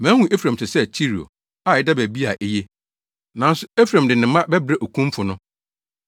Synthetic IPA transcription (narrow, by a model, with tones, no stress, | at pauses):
mæ̃ː˨˦hũ˨ʔe˦fɾã˨m˨tʰɪ˨sɛ˦t͡ɕʰi˦ɾi˨o̰˨ | a˨ɪ˦da˦bæ˨bi˦a˨ʔe˦je˦ | nã˨n˦sʊ˦e˦fɾã˨mdɪ˨nɪ̃˨mã˦bɛ˦bɾa˦ʔo˨kʰũ˦mfʊ˨nʊ̃˦